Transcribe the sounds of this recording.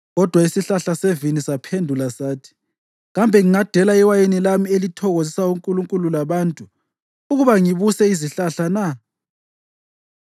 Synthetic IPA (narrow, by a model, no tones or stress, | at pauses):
ɣɔd̥ʱwaisiɬaɬasevinisapʰendʱulasaːtʰi̥ | ɣambʱɛŋiŋad̥ʱɛlaiwajenilamielitʰɔɣozisauŋkʼuluŋkʼululaβantʼu | uɣuβaŋiβusɛiziɬaɬana